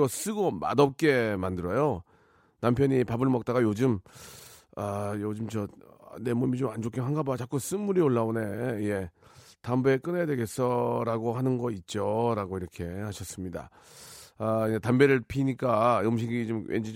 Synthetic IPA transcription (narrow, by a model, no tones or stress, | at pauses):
ʌs͈ɯɡoma̰dʌp̚k͈e̞mandɯɾʌjo | nampʰjʌɲipabɯɭmʌk̚t͈aɡajod͡ʑɯm | ajod͡ʑɯmt͡ɕʌ | nemumid͡ʑomand͡ʑok͈ʰiɦaŋɡabat͡ɕak͈us͈ɯmːuɾioɭːaone̞je̞tambeek͈ɯneadwe̞ɡe̞s͈ʰʌɾaɡohanɯnɡʌit̚t͡ɕ͈oɾaɡoiɾʌkʰe̞haɕʰʌs͈ɯmɲida̰ | aetambeɾɯɭpʰiɲik͈aɯmɕ̬ʰiɡit͡ɕomwʔḛnd͡ʑi